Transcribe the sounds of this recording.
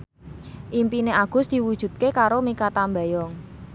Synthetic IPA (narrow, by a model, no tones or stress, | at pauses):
ʔimpineʔaɡ̥ʊ̤sd̪̥i̤wud̥ʒ̥ṳt̪̚kekaɾomikat̪ambajɔŋ